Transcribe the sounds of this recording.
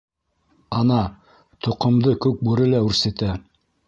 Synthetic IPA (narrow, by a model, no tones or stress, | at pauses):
ɑnɑ | t̪ŏqŏmd̪ɤkʉk̚buɾɘlæʉɾsɘ̆t̪æ